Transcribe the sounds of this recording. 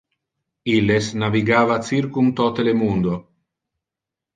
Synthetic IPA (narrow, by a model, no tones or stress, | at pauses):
ilesnaviɡaːvat͡siɾkunt̪ɔt̪elemund̪o